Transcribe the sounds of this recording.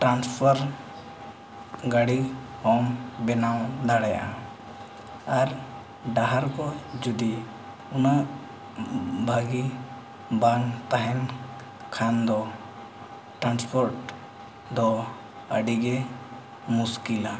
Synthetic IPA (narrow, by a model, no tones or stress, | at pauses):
ʈɾanspʰɔɾ | ɡaɽihɔmbɛnad̪aɽɛja̰ʔa̰ | aɾ | ɖaɦaɾkɔd͡ʒud̪i | unaʔ | bʱaɡi | baŋt̪aɦɛn | kʰand̪ɔ | ʈɾanspʰɔɾʈ | d̪ɔ | əɖiɡɛ | muskila